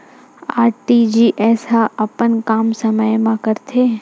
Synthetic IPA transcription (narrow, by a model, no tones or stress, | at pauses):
aːɾʈid͡ʒiːʔɛːsaɐpənkaːmsəməjmãkəɾt̪ʰeː